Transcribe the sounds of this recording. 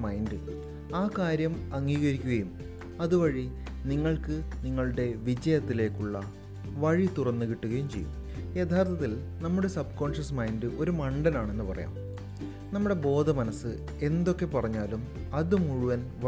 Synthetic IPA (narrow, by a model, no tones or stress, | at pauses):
maːjindɨ | aːkaːɾjɐmɐŋːiːɣɐɾikʲːuɣɐjum | ɐðuʋɐɻi | niŋːɐɭkɨniŋːɐɭuɽe̞ʋid͡ʑɐjɐt̪ːile̞ːkːuɭːɐ | ʋɐɻit̪urɐnːukiʈːuɣɐjumt͡ɕe̞jːṵm | jet̪ʰaːrt̪ʰɐt̪ːil | nɐmːuɽe̞sɐb̚ko̞ːɳʂɐsɐmaːjindɨʔo̞ɾumɐɳɖɐnaːɳe̞nːɨpɐrɐ̰ja̰ːm | nɐmːuɽe̞bo̞ːd̪ʱɐmɐnɐsːɨ | e̞nd̪o̞kːe̞pɐrɐɲːaːlum | ɐðumuɻuʋɐnʋ